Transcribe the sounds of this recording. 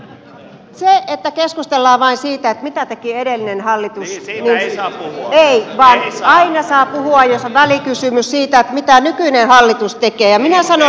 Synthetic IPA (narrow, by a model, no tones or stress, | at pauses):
seet̪ːækeskust̪elːɑːʋɑinsiːt̪æet̪mit̪æt̪ekiedelːinenhɑlːit̪usnin | eiʋɑːnɑinɑsɑːpuhuɑjjosoʋʋælikysymyssiːt̪æet̪mit̪ænykynenhɑlːit̪ust̪ekeːjɑminæsɑno